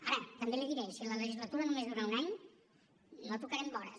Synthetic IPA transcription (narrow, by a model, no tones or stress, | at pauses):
a̰ɾət̪əmbeleðiɾejsilələʒizlət̪uɾənumezðuɾaunaɲ | not̪ukəɾɛmbɔɾə̰s